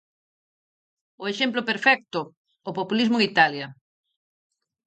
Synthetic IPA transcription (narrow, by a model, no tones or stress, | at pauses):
ʊeʃemplʊpeɾfɛk̚t̪ʊː | populizmʊeŋit̪aljɐ